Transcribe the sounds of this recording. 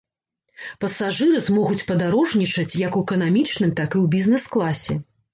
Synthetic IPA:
pɐsaʐɨɾɨzmɔɣut͡sʲpɐd̪aɾɔʐnʲit͡ʂɐt͡sʲjɐkuɛkɐnamʲit͡ʂnɨmt̪akɨwbʲiznɛsklˠasʲɛ̰

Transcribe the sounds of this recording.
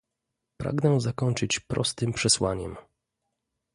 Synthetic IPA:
pɾa̰ɡnɛzakɔɲt͡ʂɘt͡ɕpɾɔ̰st̪ɘmpʂɛswaɲɛ̰m

